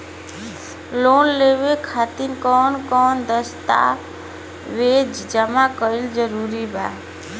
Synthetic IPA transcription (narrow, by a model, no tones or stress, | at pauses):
lonleʋekʰat̪inkɔnkɔnd̪əst̪a̰ | ʋed͡ʒd͡ʒəmakəɪld͡ʒəɾuɾibʱa̰